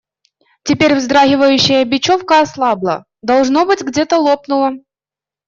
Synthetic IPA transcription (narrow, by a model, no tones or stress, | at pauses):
tʲɪpʲeɾʲvzd̪ɾaɣʲɪvəjʉɕːɪjəbʲɪt͡ɕofkəɐslˠɑblˠə̰ | d̪ɐlˠʐnobɨtʲɡdʲet̪əlˠo̞pnʊlˠə